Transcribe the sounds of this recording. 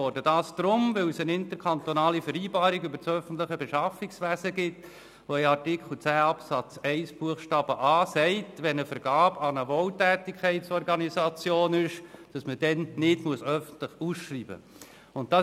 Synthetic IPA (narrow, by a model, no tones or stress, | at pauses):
ɔrdəd̥ɑːsd̥ɾʊmʋɪlsənɪnt̪əɾkʰɑntɔnɑːlifəɾiːbɑːɾiɡybəɾt͡sœfən̩tləχəbeʃɑfiksʋæzəɡɪt | ʋoɛɑrtikχl̩ˠt͡sæːɑpsɑt͡sɛɪsb̥uəχʃtɑːb̥əʔɑːsɛɪtʋɛnəfəɾɡ̥ɑːb̥ɑnəʋoːltæːtikχɛɪtsɔɾɡɑnisɑt͡sjoːnɪʃd̥ɑsməd̥ɛnːɪdmuəsœfənt̪ləχusʃriːbə̰ | ʊnt̚dɑ